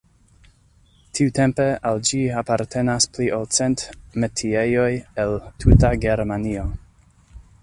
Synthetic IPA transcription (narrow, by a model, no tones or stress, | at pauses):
tʰiute̞mpe̞ald͡ʒiapaɾtʰe̞naspliʔolt͡sentmetʰiejo̞jeltʰutaɡe̞ɾmanio